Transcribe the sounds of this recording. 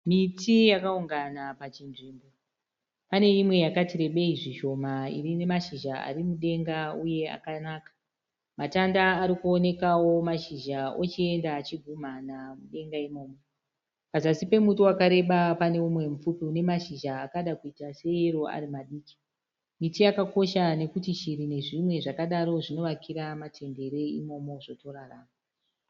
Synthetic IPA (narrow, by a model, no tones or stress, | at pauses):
mitijakauŋɡanapat͡ʃinʐiːmbo̞ | pane̞imwe̞jakatiɾe̞ɓe̞iʐiʃo̞maḭrine̞maʃiʒaa̰ɾimuɗe̞ŋɡauje̞a̰kanaːkḁ | matandaːɾikuone̞kawo̞maʃiʒao̰t͡ʃie̞ndaːt͡ʃiɡʱumanamuɗe̞ŋɡaimo̞ːmo̞ | pazasipe̞mutuwakaɾe̞ɓapane̞umwe̞mufupiune̞maʃiʒaːkaɗakuitase̞iro̞a̰ɾimaɗiːki̥ | mitijakako̞ʃane̞kutiʃiɾine̞ʐimwe̞ʐakaɗaɾo̞ʐino̞ʋakʰiɾamatʰe̞nde̞ɾe̞imo̞mo̞ʐo̞to̞ɾaraːma